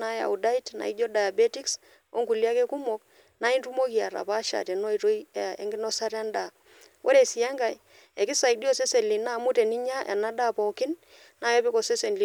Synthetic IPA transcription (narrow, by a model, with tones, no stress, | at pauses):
a˦ja̰˨u˨da˦i˦tna̰˨i˦d͡ʒɔ˦da˨ja˨be˦ti˦ks | o̰˦ŋku˨li˦a˦ke˦ku˦mo˦k | na˦i˦ntu˦mo˦ki˨a˨ɾa̰˨pa˦ʃa̰˨te˨nɔ˦i˨to˦i˦˨ḛ˦ŋɡɪ˦nɔ˦sa˦ɾa˦nda˨ | wʔo̰˦ɾe˨si˨ja˦ŋɡa˨j | e˨ki˦sa˨i˨di˦ɔ˦se˦se˨li˨na˦˨mu˦te˨ni˦ɲa˦ʔɛ̰˨na˦da˦˨pɔ˨kɪ˦n | na˦jɛ˦pi˦kɔ˨se˦se˨nli˦